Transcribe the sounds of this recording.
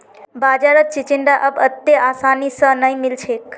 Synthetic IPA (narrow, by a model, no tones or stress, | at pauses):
baːd͡ʒaɾək̪̚t͡ʃit͡ʃiɳɖaʔəbət̪ːeʔaːsaːnisə̃nəimilt͡ʃʰek